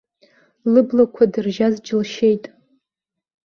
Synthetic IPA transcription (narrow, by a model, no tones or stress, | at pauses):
lɨblakʷʰadɨrʒazd͡ʒɪlʃejtʼ